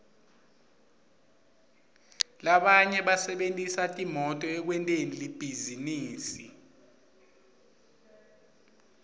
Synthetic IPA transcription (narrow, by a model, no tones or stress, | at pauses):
laɓaɲɛɓasɛɓentʼisatʼimɔtʼɔɛk̬wɛntʼenilib̥ʱiziniːsi